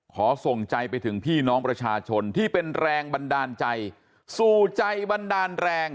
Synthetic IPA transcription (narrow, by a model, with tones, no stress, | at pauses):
kʰɔː˩˦so˨˩ŋt͡ɕa˧jpa˧jt̪ʰɯ˩˦ŋpʰiː˥˩nɔː˦˥ŋpɾa˧t͡ɕʰaː˧t͡ɕʰo˧nt̪ʰiː˥˩pe˧nɾɛː˧ŋba˧ndaː˧nt͡ɕa˧j | suː˨˩t͡ɕa˧jba˧ndaː˧nɾɛː˧ŋ